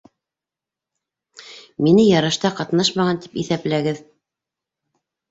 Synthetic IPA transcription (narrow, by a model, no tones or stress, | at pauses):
minɘjɑɾɑʃt̪ɑqɑt̪nɑʃmɑʁɑnt̪i̥piθæplæɡɘð